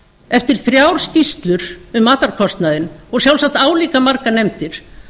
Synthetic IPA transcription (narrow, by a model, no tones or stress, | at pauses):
ɛft̪ɪɾ̥θɾjawɾ̥scist̪lʏɾ̥ʏmaːt̪aɾkʰɔst̪naðɪnɔɣsjawlsak̚t̪aːwliːkamaɾkanejmt̪ɪɾ̥